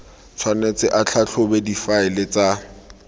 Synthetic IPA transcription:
t͡sʰwanet͡sɪʔat͡ɬʰat͡ɬʰʊbedifaɪlɪt͡sa

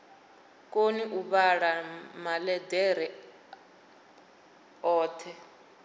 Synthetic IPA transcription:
kʼoniʔuβaɺamalɛdɛɾɛ | ɔːtʰɛ

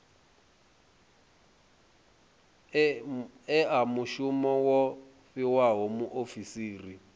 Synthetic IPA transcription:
ɛamuʃumɔwɔ | ɸiwaɦɔmuʔofisiːri

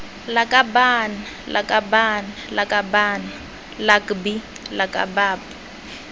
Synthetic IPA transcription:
lakʼabana | lʔa̰kʼabanalakʼabaːna | lakbi | lakʼa̰baːpḁ

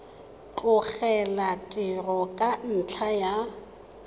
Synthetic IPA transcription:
t͡ɬʼʊk͡xɛlatʼɪrɔkʼan̩t͡ɬʰaja

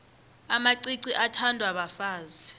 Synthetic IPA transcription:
amaǀiǀiʔatʰandʱwaɓafaːzi

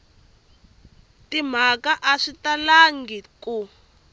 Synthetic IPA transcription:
tim̤akaʔaʂitalaŋɡiku

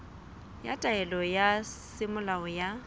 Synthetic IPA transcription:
ja̰tʼaɛlɔjasɪmʊlaɔja

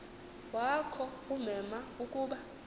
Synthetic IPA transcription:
wakʰɔumɛmaukʼuːɓa

